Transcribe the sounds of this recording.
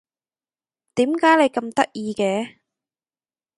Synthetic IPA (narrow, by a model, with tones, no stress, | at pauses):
t̪iː˨˥mkaː˨˥jle˨˧jkɐ˧mt̪ɐ̰˥k̚jiː˧kɛː˨˥